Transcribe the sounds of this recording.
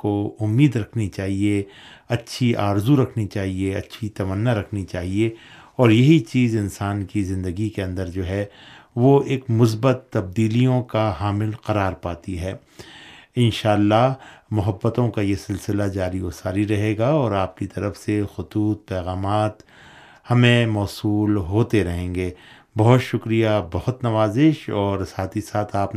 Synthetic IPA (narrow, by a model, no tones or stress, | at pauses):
koʊmːiːd̪ɾɐkʰnit͡ʃaːɦieɐtːʃʰiʔaːɾzuɾɐkʰnit͡ʃaːɦieɐtːʃʰit̪ɐmənːaɾɐkʰnit͡ʃaːɦie | ɔːɾjɐɦit͡ʃiːzɪnsaːnkizɪ̃nd̪əɡikeɐ̃nd̪əɾd͡ʒoːɦɛʋoeːkmʊs̬bət̪ːɐb̚d̪iːlijõkaɦaːmɪlqɐɾaːɾpaːt̪iɦɛː | ɪnʃaːlːaɦmʊɦəbːət̪õkajesɪlsɪlad͡ʒaːɾiosaːɾiɾɐɦeːɡaɔːɾaːp̚kit̪ɐɾəfsexʊt̪uːt̪̚pɛːɣaːmaːt̪ | hɐmẽmɔːsuːlɦoːt̪eɾɐɦẽːŋɡeː | bɐɦʊt̪ʃʊkɾijabɐhʊt̪nɐʋaːzɪʃɔːɾsaːt̪ʰisaːt̪ʰaːp